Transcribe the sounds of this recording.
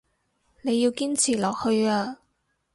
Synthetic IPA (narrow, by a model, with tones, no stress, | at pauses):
ne˨˧jːiː˧wkiː˥nt͡sʰiː˨˩lɔː˨k̚hɵ˧ɥaː˧